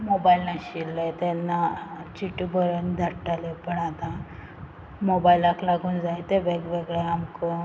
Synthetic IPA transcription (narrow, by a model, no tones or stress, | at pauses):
mobailnaɕilːəjt̪ɛnːat͡ɕiʈubʱəɾənd̪ʱəʈːalepəɳat̪a | mobailaklaɡʱuːnd͡zaet̪eʋeɡʋeɡɭeamko